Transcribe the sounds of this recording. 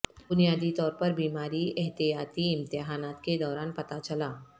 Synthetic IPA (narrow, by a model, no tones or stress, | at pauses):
bʊnijaːd̪it̪ɔːɾpɐɾbiːmaːɾiɛɦt̪ijaːt̪iɪ̃mt̪ɪɦaːnaːt̪ked̪ɔːɾaːnpɐt̪at͡ʃɐlaː